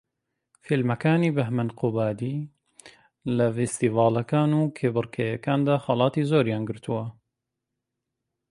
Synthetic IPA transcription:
filmɐkaːniːbɐɦmɐnqubaːd̪iː | lɐfest̪iːvɑːlɐkaːnuːkʰeːbɨɾkʰɛjɐkaːnd̪aːxɑlˠɑːt̪iːzoːɾjaːnɡɨɾt̪ʰuwɐ

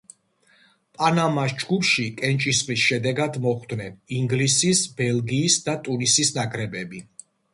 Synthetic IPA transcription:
pʼanamasd͡ʒɡupʃikʼɛnt͡ʃʼisχʼlisʃɛd̪ɛɡad̪mɔχd̪nɛniŋɡlisisbɛlˠɡiːsd̪at̪ʼunisisnakʼɾɛbɛbi

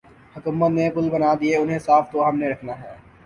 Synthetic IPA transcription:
hʊkuːmət̪nepʊlbɐnad̪ieʊnɦẽsaːft̪oɦɐmneɾɐkʰnaɦɛː

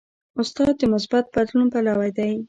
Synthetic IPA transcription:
ʊst̪ɑd̪̚d̪əmʊsbat̪̚bad̪lunpalɑwajd̪aj

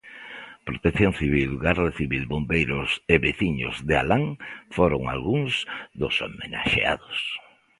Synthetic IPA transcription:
pɾot̪ekθjoŋθiβ̞ilɡaraeθiβilβombejɾʊseβeθiɲʊ̰zðea̰laŋfoɾoŋa̰lɣuŋzsðʊsomena̰ʃḛa̰ðʊs

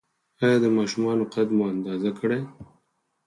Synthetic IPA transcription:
ɑjɑd̪əmɑʃumɑnoqad̪moand̪ɑzakəɽe

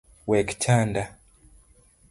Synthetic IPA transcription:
wɛkt͡ʃʰanda

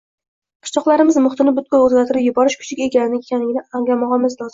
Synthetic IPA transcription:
qʰɨ̥ʃt͡ʃʰɒqlˠaɾɪmɪzmʊχt̪ɪnɪbʊt̪̚kʲɔɵzɡʲaɾt̪ʰɪɾɪpjʊbɒɾɪʃkʰʊ̥t͡ʃʰɪkʲe̞kʲanɪnɪekʲʰanlɪɡʲɪnɪaŋlamɒʁɑmɪzlˠɒzɪ

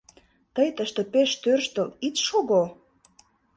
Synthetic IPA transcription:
t̪əjt̪əʃt̪ĕpeʃt̪ørʃt̪ə̆lit͡sʃoɣo

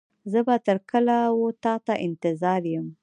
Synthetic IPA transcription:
zəbat̪əɾkəlawot̪ɑt̪aʔɪnt̪ɪzɑɾjəm

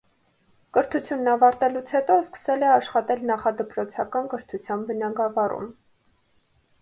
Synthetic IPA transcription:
kəɾt̪ʰut͡sʰjunːɑvɑɾt̪ɛlut͡sʰhɛt̪ɔskə̥sɛlɛɑʃχɑt̪ɛlnɑχɑd̪əpɾɔt͡sʰɑkɑnkəɾt̪ʰut͡sʰjɑnbənɑɡɑvɑrṵm

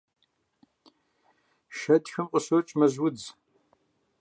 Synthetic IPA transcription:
ʃɐtxɨmqʼəsot͡ʃʼmɐzwʊd͡z

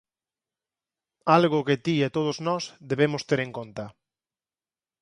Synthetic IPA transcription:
alɣʊkɪt̪iet̪oð̞oznɔsðeβemʊst̪eɾeŋkont̪ɐ

